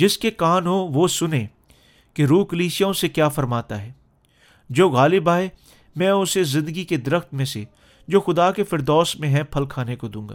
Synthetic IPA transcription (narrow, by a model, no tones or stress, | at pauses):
d͡ʒɪskekaːnɦoʋosʊnẽ | keɾuːkəliːʃijõsekjaːfɐɾmaːt̪aɦɛː | d͡ʒoːɣaːlɪbaːe | mɛ̃ːʊsezɪ̃nd̪əɡiked̪ɐɾəxt̪mẽse | d͡ʒoːxʊd̪aːkefɪɾd̪ɔːsmẽɦɛ̃pʰɐlkʰaːnekod̪ũːɡa̰ː